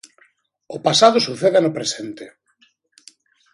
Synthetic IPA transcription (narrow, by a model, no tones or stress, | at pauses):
ʊpasaðʊsuθeðɪanʊpɾesent̪e